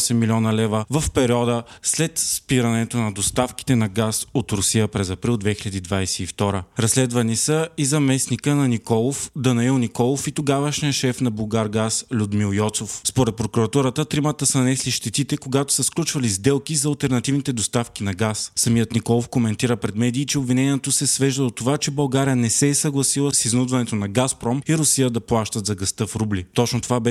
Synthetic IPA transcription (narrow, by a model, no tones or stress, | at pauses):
sɛmːilʲiɔnəlɛvəvəfpɛɾiɔd̪əslɛt̪spiɾɐnɛt̪onɐd̪ost̪afki̥t̪ɛnɐɡasot̪ɾʊsijəpɾɛzɐpɾilˠd̪vɛxilʲɐd̪iːd̪vajsɛift̪ɔɾəɾɐslɛd̪vɐnisəizɐmɛsnikənɐnikɔlˠofd̪ɐnɐilˠnikɔlˠofit̪oɡavəʃnijəʃɛfnɐbulˠɡaɾɡaslʲud̪milˠjɔt̪sofspoɾɛt̪̚pɾokuɾɐt̪uɾət̪ət̪ɾimət̪əsənɐnɛsliʃt̪ɛt̪it̪ɛkoɡat̪o̥səsklʲut͡ʃvɐlizd̪ɛlˠkizɐːlˠt̪ɛɾnɐt̪ivnit̪ɛd̪ost̪afk̟inɐɡassɐmijət̪nikɔlˠofkomɛnt̪iɾəpɾɛd̪mɛd̪iːt͡ʃɛobvinɛnʲiɛt̪osɛsvɛʒd̪əd̪ot̪ːovat͡ʃɛbɐlˠɡaɾijənɛsɛːsɐɡlˠɐsilˠəsiznud̪vɐnɛt̪onɐɡaspɾɔmiɾʊsijəd̪ɐplˠaʃt̪ət̪zɐɡɐst̪ɤfɾublit̪ɔt͡ʃnot̪ovabɛ